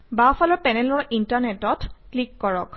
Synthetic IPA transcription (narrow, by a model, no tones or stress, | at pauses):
bafʰalɔɹpɛnɛlɔɹintaɹnɛtɔtklikːɔɹɔk